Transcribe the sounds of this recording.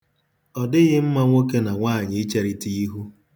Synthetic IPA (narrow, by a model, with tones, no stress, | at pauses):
ɔ˨dɪ˦ɣɪ˦m̩˦ma˦ŋʷo˦ke˦na˨ŋʷaː˦˨ɲɪ˨ɪ˦t͡ʃe˦ɾi˦ti˦i˦ɦu˦